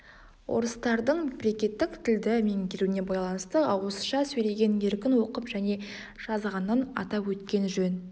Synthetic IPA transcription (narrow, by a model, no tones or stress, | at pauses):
wo̞̰ɾəst̪ɑɾd̪əɴmebɾe̞kʲe̞t̪ːɪkt̪ʰɪld̪ɪme̞ŋɡʲeɾuɪne̞bɑjlˠɑnəst̪əɑwosə̥ʃɑsɵjle̞ɡʲe̞ne̞ɾkʲɪnwo̞qəpʒæne̞ | ʒ̥ɑzʁɑnːɑnɑ̰t̪ɑpwɵt̪kʲe̞nʒɵn